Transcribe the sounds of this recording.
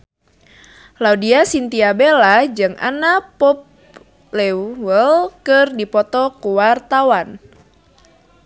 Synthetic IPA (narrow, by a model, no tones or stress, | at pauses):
laudiasint̪iabelad͡ʒɨŋa̰napɔp̚ | lɛwəlkɨrdipɔt̪ɔkuwart̪awan